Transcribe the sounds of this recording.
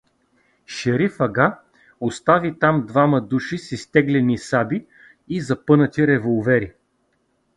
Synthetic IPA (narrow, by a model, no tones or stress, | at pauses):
ʃɛɾifɐɡa | ost̪avit̪amd̪vamɐd̪uʃisist̪ɛɡlɛnisabiː | zɐpɤnət̪ʲiɾɛvolˠvɛɾi